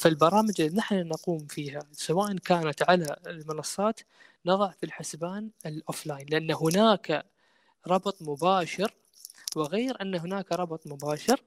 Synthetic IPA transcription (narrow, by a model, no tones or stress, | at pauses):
fɪlbɑɾˤɑːmɪd͡ʒɪlːinaħnunaquːmfiːɦasawaːʔankaːnat̪ʕalaɪlmɪnɑsˤːɑːt̪ | nɑðˤɑʕfilħɪsbaːnɪlʔoːflaːjnlɪʔanːaɦʊnaːka | ɾˤɑbt̪ˤmʊbaːʃɪɾ | wɪɣeːɾʔanːaɦʊnaːkaɾˤɑbt̪ˤmʊbaːʃɪɾ